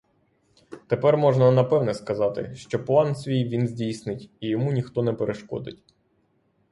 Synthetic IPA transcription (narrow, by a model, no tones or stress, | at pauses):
t̪epɛrmɔʒnɐnɐpɛwnɛskɐzɑt̪ɪ̰ʃt͡ʃɔplˠɑnsʲʋʲijʋʲinzʲdʲijsnɪtʲijɔmunʲixt̪ɔnɛpeɾʔeʃkɔ̰d̪ɪ̰tʲ